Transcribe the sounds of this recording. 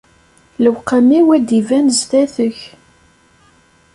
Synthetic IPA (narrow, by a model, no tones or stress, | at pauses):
ləwqːamiwæd̪ivænəzθæθəç